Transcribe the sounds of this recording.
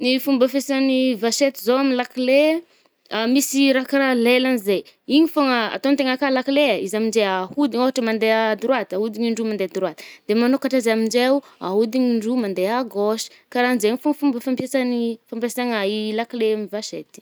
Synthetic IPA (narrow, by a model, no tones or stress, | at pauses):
nifumbəfesanivaʃet̪izoaminlakile | amisiɾakaɾalelanizej | iɲifoŋəa̰t̪ont̪eŋakalakileaizamind͡ʒeahud̪iɲoɦaʈ͡ʂəmand̪ead̪uɾwat̪aud̪iɲiɳɖ͡ʐumand̪ead̪uɾuat̪i̥d̪̥emanokaʈ͡ʂazamiɳd͡ʒeu | a̰ud̪iɲiɳɖ͡ʐumand̪eaɡoʃi̥ | kaɾand͡ʒeiɲifoŋfumbəfampjesanifampesaŋailakileamivaʃet̪i̥